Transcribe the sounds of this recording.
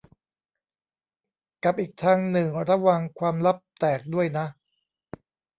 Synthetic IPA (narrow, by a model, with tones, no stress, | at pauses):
ka˨˩p̚ʔiː˨˩k̚t̪ʰaː˧ŋnɯ˨˩ŋɾa˦˥wa˧ŋkʰwaː˧mla˦˥p̚t̪ɛː˨˩k̚du˥˩əjna˦˥ʔ